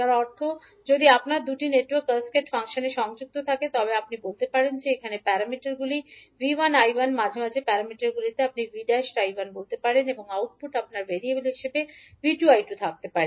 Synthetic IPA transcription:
aɾɔɾt̪ʰo | d͡ʑod̪iapnaɾd̪uʈineʈwəɾkəskeʈfaŋʃoneʃɔŋd͡ʑuk̚t̪ot̪ʰaket̪ɔβeapnibolt̪epaɽend͡ʑeekʰanepɛɾamiʈaɾɡuliviwanajwanmad͡ʑʱemad͡ʑʱepɛɾamiʈaɾɡulit̪eapniviɖaʃʈajbanbolt̪epaɽeneboŋawʈ̚puʈapnaɾbeɾieɡuloɦiʃebebiʈuajʈut̪ʰak̚t̪epaɾe

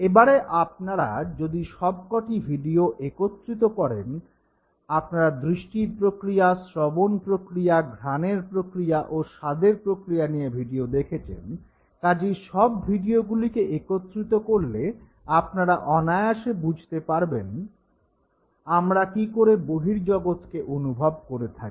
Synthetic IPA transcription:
ebaɾeʔap̚naɾa̰d͡ʑod̪iʃɔb̚kɔʈibʱiɖioʔekot̪ːɾit̪̬okɔɾḛn | apnaɾad̪ɾiʃʈiɾpɾokɾijasɾɔbonpɾokɾijaɡʱɾaneɾpɾokɾijaʔoʃad̪eɾpɾokɾijaniebʱiɖiod̪ekʰet͡ɕʰḛn | kad͡ʑiʃɔbbʱiɖioɡulikeʔekot̪ːɾit̪okoɾle | apnaɾaʔɔnaeaʃebud͡ʑʱt̪epaɾben | amɾakikoɾeboɦiɾd͡ʑɔɡot̪keʔonubʱɔbkoɾet̪ʰaki̥

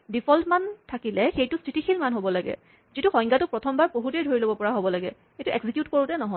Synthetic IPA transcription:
dipʰɔltmantʰakilɛxejtʊstʰɹitixʰilmanɦobɔlaɡɛ̰ | zituxɔ̃j̃ŋɡatʊpɹɔtʰɔmbaɹpoɦutejdʱoɹilobɔpɔɹaɦobɔlaɡɛ̰ | xejtuʔɛɡzikjutkoɹutɛnɔɦɔ

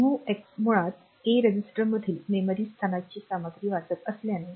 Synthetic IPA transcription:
ɦueksmuɭãt̪̚ | keɾəd͡ʑisʈəɾməd̪ʱiːlmeməɾiːst̪ʰanat͡ɕiːsaməɡ̪ɾiːʋat͡sət̪əsljane

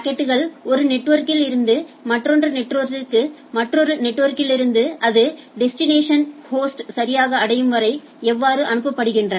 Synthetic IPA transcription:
kːeʈːɯɣɐɭɔɾɯnɛʈːʋɐɾkɪlɪɾɯnd̪ɯmɐʈːrɔndrɐnɛʈːɾʋɐɾt̪ɪkːɯmɐʈrɔɾɯnɛʈːʋɐɾkɪlɪɾɯnd̪ɯʔɐðɯɖɛsʈɪneːʂɐnhoːsʈsɐɾɪjaːɣɐːɽɐjɯmʋɐɾɐɪ | ɛʋːaːɾɯʔɐnɯp̬ːɐpːɐɽɯɣɪndrɐn

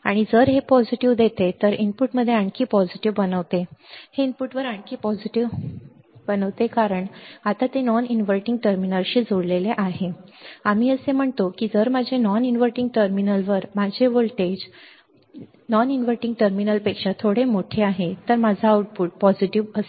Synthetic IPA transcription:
aɽ̃id͡zəɾɦepɔd͡ʑiʈiʋd̪et̪et̪əɾiɳpuʈməd̪ʱːjeaɳkiːpɔd͡ʑiʈiʋbənəʋt̪eheinpuʈʋəɾaɳkiːpɔd͡ʑiʈiʋ | bənəʋt̪ekaɾəɳat̪at̪enɔninʋəɾʈiŋɡ̚ʈəɾminəlɕiːd͡zʱoɽleleʔaɦeamiːəsem̤əɳt̪okiːd͡zəɾmad͡ʑʱenɔninʋəɾʈiŋɡʈəɾminəlʋəɾmad͡ʑʱeʋəɭʈed͡ʑ | nɔninʋəɾʈiŋɡ̚ʈəɾminəlpekʂat̪ʰoɽemoʈʰeaɦet̪əɾmad͡zʱaːuʈ̚puʈ̚pɔd͡ʑiʈiʋəs

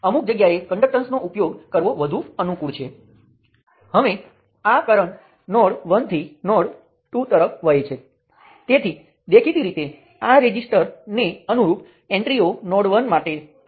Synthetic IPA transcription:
əmuk̚d͡ʒəɡjaekəɳɖək̚ʈənsnoʔupjoɡkəɾʋoʋəd̪ʱuənukuɭt͡ʃʰe | həʋe | akəɾəɳ | nɔɽʋənt̪ʰinɔɽ | ʈut̪əɾəfʰʋəjet͡ʃʰe | t̪et̪ʰi | d̪ekʰit̪iɾit̪e | aɾed͡ʒisʈəɾneənuɾup | ɛ̃ɳʈɾionɔɽʋənmaʈe

